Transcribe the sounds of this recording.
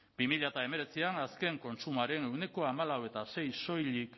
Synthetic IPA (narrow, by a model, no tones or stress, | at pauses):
b̥imiʎat̪ae̞me̞ɾe̞t͡sianaske̞ŋko̞nt͡sumaɾe̞ne̞wne̞ko̞amalawe̞t̪ase̞jso̞jlik